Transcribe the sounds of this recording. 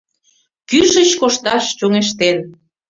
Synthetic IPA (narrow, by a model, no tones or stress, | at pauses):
kyʃət͡ɕkoʃt̪ɑʃt͡ɕoŋeʃt̪en